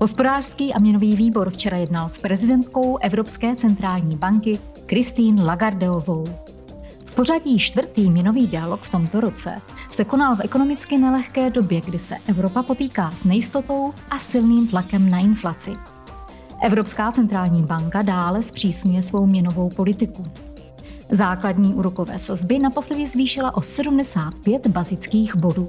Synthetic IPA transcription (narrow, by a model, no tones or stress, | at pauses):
ɦo̞spo̞daːr̥skiːʔamɲɛno̞viːviːbo̞ɾft͡ʃɛɾajɛdnalspɾɛzɪdɛnt̪ko̞wʔɛvɾo̞pskɛːt͡sɛnt̪ɾaːlɲiːbaŋkɪ | kɾɪst̪iːnlaɡaɾdɛovow | fpo̞r̝aɟiːʃt̪vr̩t̪iːmɲɛno̞viːdɪalo̞kft̪o̞mt̪o̞ɾo̞t͡sɛ̰ | sɛko̞nalfɛko̞no̞mɪt͡skɪnɛlɛxkɛːdo̞bjɛɡdɪsɛ̰ʔɛvɾo̞papot̪iːkaːsnɛjɪst̪o̞t̪o̞wʔasɪlniːmt̪lakɛmnaʔɪnflat͡sɪ | ʔɛvɾo̞pskaːt͡sɛnt̪ɾaːlɲiːbaŋkadaːlɛspr̝̥iːsɲujɛsvo̞wmɲɛno̞vo̞wpo̞lɪt̪ɪku | zaːkladɲiːʔuːɾoko̞vɛ̰ːsazbɪnapo̞slɛdɪzviːʃɪlaʔo̞sɛdumdɛsaːt̪̚pjɛt̪bazɪt͡skiːɣbo̞duː